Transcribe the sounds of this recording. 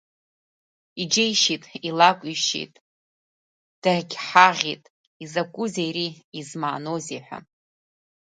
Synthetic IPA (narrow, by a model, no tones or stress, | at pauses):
id͡ʒejʃitʼilakʷʼiʃḭtʼ | d̥arɡʲħaʁʲitʼ | izakʷʼʊzejriizmaːno̞ziħʷᶣa̰